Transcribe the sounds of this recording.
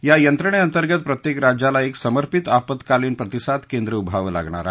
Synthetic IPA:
jajənt̪ɾəɳ̃eənt̪əɾɡət̪̚pɾət̪jekɾad͡ʑalaeksəməɾpit̪apət̪kaliːnpɾət̪isat̪kend̪ɾəubʱaʋəla̰ɡɳa̰ɾa̰

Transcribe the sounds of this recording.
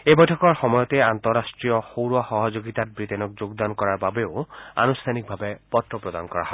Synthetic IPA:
ebɔjʈʰɔkɔɹxɔmɔjɔt̪eant̪ɔɾastɹijɔxowɹɔxɔɦɔd͡ʒoɡit̪at̪̚bɹit̪ɛnɔk̚d͡ʒoɡd̪ankɔɹaɹbabeoa̰nust̪ʰanik̚bʱabepɔt̪ɹɔpɹɔd̪ankɔɹa̰ɦɔ

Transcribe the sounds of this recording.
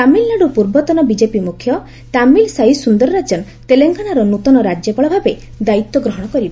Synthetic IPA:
t̪amilnaɽupuɾbɔt̪ɔnɔbid͡ʒepimukʰjɔ | t̪amilsaisund̪ɔɾɔɾad͡ʒɔn | t̪eleŋɡanaɾɔnut̪ɔnɔɾad͡ʒjɔpɔɭɔbʱabe | d̪ait̪wɔɡɾɔɦɔɽ̃ɔkɔɾiba

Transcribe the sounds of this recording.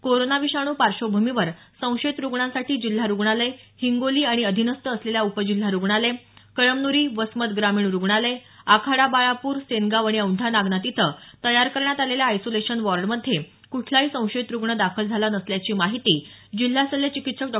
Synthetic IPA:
koɾonaʋiɕaɽ̃uːpaɾɕobʱumiʋəɾ | sə̃w̃ɕet̪ɾuɡɳãsaʈiːd͡ʑil̤ːaɾuɡɳaləjhiŋɡoliːaɽ̃iəd̪ʱinəst̪əːsleljaupəd͡ʑil̤ːaɾuɡɳalekəɭəmnuɾiːʋəsmət̪ɡɾamiːɳɾuɡɳaləj | akʰaɽabaɭapuːɾseŋɡaʋaɽ̃iəuɳʈ̪ʰanaɡnat̪it̪ʰət̪əjaɾkəɾɳjat̪aleljaːjsoleɕənʋɔɾɖməd̪ʱːje | kuʈʰlaɦiːsə̃w̃ɕet̪ɾuɡɳəd̪akʰəld͡zʱalanəsljat͡ɕiːmaɦit̪iːd͡ʑil̤ːasəlːet͡ɕikit̪ʂək̚ɖ

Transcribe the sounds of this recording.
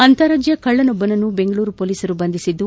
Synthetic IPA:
ɐnt̪ɐɾɐd͡ʒjɐkɐɭːɐnɔbːɐnɐnːube̞ŋɡɐɭuːɾupoːliːsɐɾubɐnd̪isid̪ːu

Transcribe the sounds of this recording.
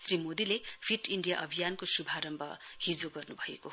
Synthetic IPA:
srimod̪ilepʰiʈiɳɖija̰ʔʌbʱijankosubʱaɾʌmbʱʌ̰hid͡zoɡʌrnubʱʌḛkoɦ

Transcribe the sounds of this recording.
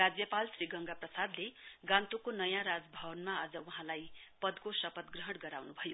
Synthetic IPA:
rad͡zjʌpalsriɡʌŋɡaprʌsad̪leɡãnt̪ukonʌjãɾad͡zbʱʌbʌnmaːd͡zʌuɦãlajpʌd̪kosʌpʌt̪ɡrʌɦʌɽɡʌɾawnubʱʌjo

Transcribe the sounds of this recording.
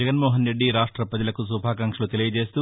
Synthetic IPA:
ɛɡɐnmoːɦɐnɾe̞ɖːiɾaːʂʈɾɐpɾɐd͡ʒɐlɐkusubʱaːkɐŋʂɐlut̪elijɐd͡ʒe̞ːst̪u

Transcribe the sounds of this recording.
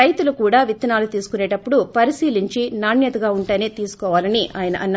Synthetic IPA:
ɐjt̪ulukuːɽaːʋit̪ːɐnaːlut̪iːsu̥kuneːʈɐpːuɽupɐɾisiːliɲt͡ʃinaːɳjɐt̪ɐɡaːuɳʈɐːneːt̪iːsu̥kɔːʋaːlɐniʔaːjɐnɐʔɐnːɐ

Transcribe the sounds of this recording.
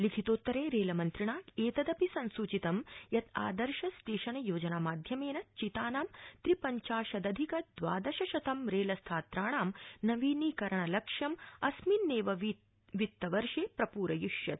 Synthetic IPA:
likʰit̪oːt̪ːɐɾeːɾeːlɐmɐnt̪ɾiɳaːeːt̪ɐd̪ɐpisɐnsut͡ʃit̪ɐmjɐt̪a̰ːd̪ɐɾʃɐst̪eːʃɐnɐjoːd͡ʒɐnaːmaːd̪ʱjɐmeːnɐt͡ʃit̪aːnaːmt̪ɾipɐɲt͡ʃaːʃɐd̪ɐd̪ʱikɐd̪ʋa̰ːd̪ɐʃɐʃɐt̪ɐmɾeːlɐst̪ʰaːt̪ɾaːɳaːmnɐʋiːniːkɐɾɐɳɐlɐkʂɐmɐsminːeːʋɐʋ | ʋit̪ːɐʋɐɾʂeːpɾɐpuːɾɐjuʃjɐt̪̚

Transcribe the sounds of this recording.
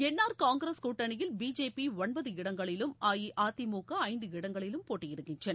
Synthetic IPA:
ɛnːaːɾkaːŋɡɾɐskuːʈːɐnɪjɪlbiːd͡ʒeːpiɔɳbɐðɯɪɽɐŋɡɐɭɪlɯmaːjiʔaːt̪imuːkɐɐɪnd̪ɯɪɽɐŋɡɐɭɪlɯmpoːʈːɪjɪɽɯkːɪnd͡ʒɐn

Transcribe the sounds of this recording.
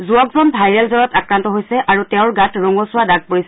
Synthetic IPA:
zuɔkzɔnbʱajɹɛlzɔɹɔtakɹantɔɦojsɛʔaɹutɛʊ̃ɹɡatɹɔŋɔsʊwadaɡ̚poɹisɛ

